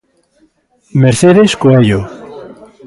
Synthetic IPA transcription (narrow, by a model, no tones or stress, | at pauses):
meɾθeðeskoeʎo